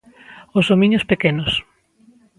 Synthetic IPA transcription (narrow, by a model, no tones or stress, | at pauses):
ozðomĩɲospekenos